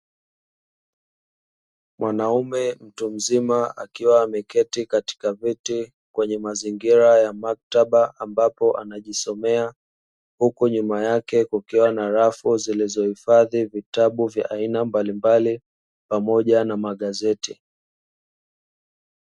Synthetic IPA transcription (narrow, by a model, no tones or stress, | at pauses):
mwʔanaumɛm̩tum̩zimaa̰kiwaːmɛkɛtikati̥kaviti | kwɛɲɛmaziŋɡiɾajamak̚taɓaʔambapɔʔanaʄisɔmɛa | hukuɲumajakɛkukɛwanaɾafuzilizɔhifaðivitaɓuvja̰ʔainambalimbali | pamɔʄanamaɠazɛti